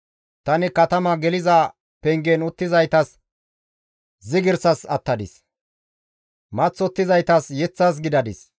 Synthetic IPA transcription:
t̪ɐnɪkɐt̪ɐmɐɡɛlɪzɐ | pɛŋɡɛnʊt̪ːɪzɐjt̪ɐs | zɪɡɪɾsɐsɐt̪ːɐd̪ɪ̰s | mɐt͡sːɔt̪ːɪzɐjt̪ɐsjɛt͡sːɐs̬ɡɪd̪ɐd̪ɪs

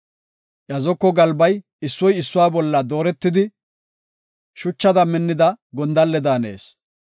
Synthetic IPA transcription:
ʔɐzɔkːɔɡɐlbɐj | ɪsːɔjɪsːʊwaːbɔlːɐd̪o̞ːɾɛt̪ːɪd̪ɪ | ʃʊt͡ʃːɐd̪ɐmɪnːɪd̪ɐɡɔnd̪ɐlːɛd̪aːne̞̰ːs

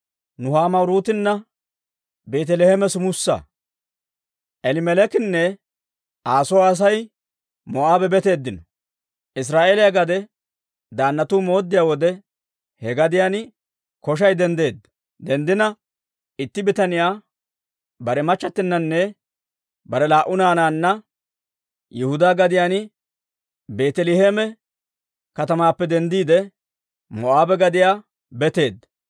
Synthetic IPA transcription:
nʊhaːmɐwɾuːt̪ɪnːɐ | beːt̪̬ɛlehɛmɛsʊmʊsːɐ̰ | ʔɛlɪmɛlɛkɪnːɛ | aːsɔwːs̬ɐj | mɔʔaːbɛbɛt̪e̞ːd̪ːɪnɔ | ʔɪs̬ɾaːʔeːlɪjɐɡɐd̪ɛ | d̪aːnːɐt̪uːmo̞ːd̪ːɪjaːwɔd̪ɛ | hɛɡɐd̪ɪjan | kɔʃ̬ɐjd̪ɛnd̪e̞ːd̪ːɐ | d̪ɛnd̪ɪnɐ | ɪt̪ːɪbɪt̪ɐnɪjaː | bɐɾɛmɐt͡ʃːɐt̪ːɪnːɐnːɛ | bɐɾɛlaːʔʊnaːnaːnːɐ | jɛhʊd̪aːɡɐd̪ɪjaːn | be̞ːt̪ɛlɪheːmɛ | kɐt̪ɐmaːpːɛd̪ɛnd̪iːd̪ɛ | mɔʔaːbɛɡɐd̪ɪjaː | bɛt̪e̞ːd̪ː

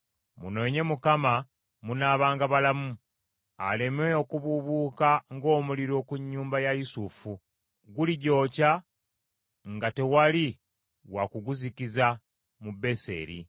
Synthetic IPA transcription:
mṵno̞ːɲe̞mukama | munaːβaːŋɡaβalamu | a̰le̞me̞okuβuβuːkaŋɡo̞ːmuliɾo̞ːkuɲːuːmbajajusufu | ɡuliɟo̞ːca | ŋɡate̞wali | wakuɡuzikiza | mube̞se̞̰ːɾḭ

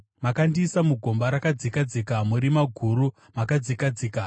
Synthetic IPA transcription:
makandiːsamuɡʱo̞mbaɾakad͡zikad͡zikamuɾimaɡʱuɾu | makad͡zikad͡ziːka

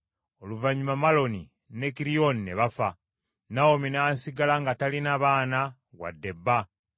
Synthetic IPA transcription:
oluvaɲumamalo̞ni | ne̞kiɾionineβafa | naominaːnsiɡalaŋɡatalinaβaːna | ɣwa̰dːe̞bːa

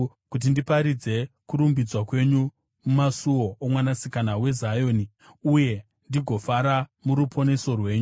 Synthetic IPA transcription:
kut̬indipaɾid͡ze̞kuɾumbid͡zwakwe̞ɲu | mumasuwoomwanasikanawe̞zajo̞ːni | uje̞ | ndiɡʱo̞faɾamuɾupʰo̞ne̞so̞rwe̞ːɲu

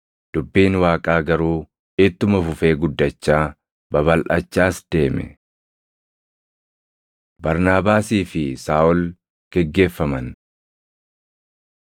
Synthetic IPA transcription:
d̪̥ʊbːiːnwaːkʼaːɡɐɾuː | ɪt̪ːʊmɐfʊfe̞ːɡʊd̪ːɐt͡ʃːaː | bɐβɐlʔɐt͡ʃːaːsd̪̥e̞ːmɛ̰ | bɐɾnaːbaːsiːfɪsaːʔɔl | ɡ̥ɛɡːe̞ːfːɐmɐn

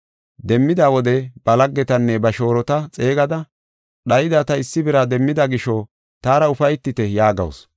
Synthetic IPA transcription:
d̪ɛmːɪd̪aːwɔd̪ɛb̥ɐlɐɡːɛt̪ɐnːɛbɐʃo̞ːɾɔt̪ɐt͡sʼe̞ːɡɐd̪ɐ | ɗɐjɪd̪aːt̪ɐɪsːɪbɪɾad̪ɛmːɪd̪ɐɡɪʃɔ | t̪aːɾɐʊfɐjt̪ːɪt̪ɛjaːɡɐ̰ws

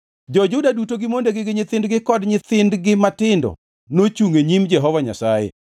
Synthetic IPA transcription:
d͡ʒɔd͡ʒʊdadutoɡɪmondeɡɪɡɪɲɪt̪ɪndɡɪkɔdɲɪt̪ɪndɡɪmatɪndɔ̰ | not͡ʃuŋeɲimd͡ʒɛɦɔvaɲa̰sajɛ̰

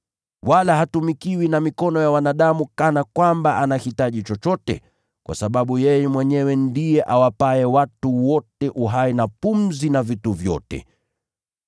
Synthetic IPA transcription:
walahatumikiwinamikɔnɔjawanaɗamukanakwambaanahitaʄit͡ʃɔt͡ʃɔtɛ̰ | kwʔa̰saɓaɓujɛjɛmwɛɲɛwɛndijɛʔawapaɛwatuwɔtɛʔuɦainapum̩zinavituvjɔ̰tɛ̰

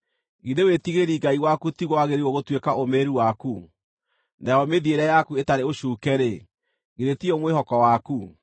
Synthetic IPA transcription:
ɣidewetiɣeɾiɡaiwakutiɣwaɣeɾiwɔɣotwekaomeɾuwaku | najɔmeðieɾajakuetaɾeoʃuːkɛɾe | ɣidetiomweɦɔkɔwaku

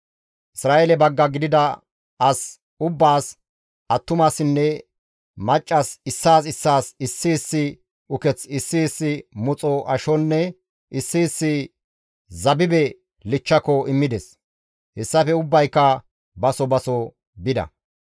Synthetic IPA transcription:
ʔɪsɾaːelɛbɐɡːɐɡɪd̪ɪd̪ɐ | ɐs | ʊbːaːs | ɐt̪ːʊmasɪnːɛ | mɐt͡ʃʼːɐsɪsːaːsɪsːaːsɪsːɪːsːɪ | ʊkɛt͡sɪsːiːsːɪmʊt͡sʼɔʔɐʃɔnːɛ | ɪsːiːsːɪ | zɐbɪbɛ | lɪt͡ʃːɐkɔɪmːɪd̪ɛs | hɛsːɐfɛʊbːɐjkːɐ | bɐsɔbɐsɔ | bɪd̪ɐ̰

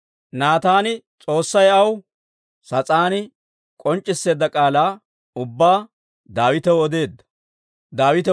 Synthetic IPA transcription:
naːt̪aːnɪt͡sʼo̞ːsːɐjɐw | sɐt͡sʼaːnɪ | kʼɔnt͡ʃʼːɪsːe̞ːd̪ːɐkʼaːlaː | ʊbːaː | d̪aːwɪt̪ɛwɔd̪e̞ːd̪ːɐ̥ | d̪aːwɪt̪ɛ

